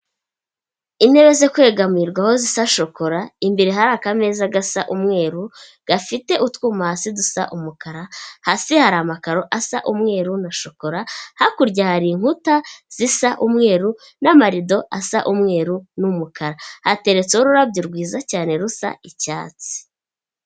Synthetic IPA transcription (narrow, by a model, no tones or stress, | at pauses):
ine̞βe̞ze̞kwe̞ːɡamiːɾɡwaho̞zisaʃo̞ko̞ɾaimbiɾeɦaɾakame̞ːzaɡasaʔumŋe̞ːɾu | ɡ̥afite̞ʔutwuːmahasidusa̰ʔumukaɾahasihaɾamakaɾo̞ʔasa̰ʔumŋe̞ːɾunaʃo̞ko̞ɾahakuɾɟahaɾiːŋhutaz̥isaʔumŋe̞ːɾu | namaɾido̞asa̰ʔumŋe̞ːɾunumukʰaɾahate̞ɾe̞t͡seoɾuɾabɟuɾɡwiːzacaːne̞ɾusa̰icaːt͡si̥